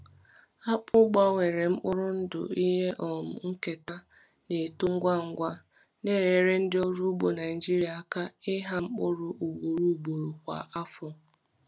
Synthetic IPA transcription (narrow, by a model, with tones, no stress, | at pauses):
a˦k͡pʊ˦ɡ͡ba˦ŋʷe˨ɾe˨ŋ͡m̩˦k͡pʊ˦ɾʊ˦n̩˦dʊ̰˨i˦ɦe˦ʔɔ˨m̩˨ŋ̩˦ke˨ta˦ | ne˨tu˦ŋ̩˦ɡʷa˦˨ŋ̩˦ɡʷa˦ | ne˦ɾe˨˦ɾe˦n̩˦dɪ˦ɔ˦ɾu˦bo˨na˨ɪ˨d͡ʒi˦ɾi˨˦a˨˦˨ka˦ɪ˦ɦa˦ŋ͡m̩˦k͡pʊ˦ɾʊ˦ʔu˨ɡ͡bo˨ɾu˦˨ɡ͡bo˨ɾu˨kʷa̰˨ʔa˦fʊ˨